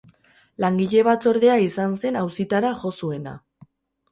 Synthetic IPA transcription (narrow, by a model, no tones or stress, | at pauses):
laŋɡiʎe̞β̞at͡so̞ɾðe̞aisanse̞nawsit̪aɾaʝo̞sue̞na̰